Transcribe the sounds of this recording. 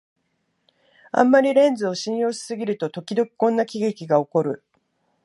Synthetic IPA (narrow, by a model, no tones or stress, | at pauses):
ã̰mːaɾʲiɾẽ̞nd͡zɨo̞ɕĩɰ̃jo̞ːɕi̥sɨɡʲiɾɯ̟t̪o̞t̪o̞kʲid̪o̞kʲi̥kõ̞nːakʲiɡekʲiɡao̞ko̞ɾɯ̟̰